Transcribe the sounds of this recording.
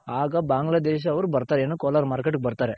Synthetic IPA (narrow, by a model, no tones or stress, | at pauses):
aːɡɐbaːŋɡlad̪eːʃ̬ɐːʋɐɾubɐɾt̪aːɾeenːukoːlɐɾmaːɾkeʈɡebɐɾt̪aːɾe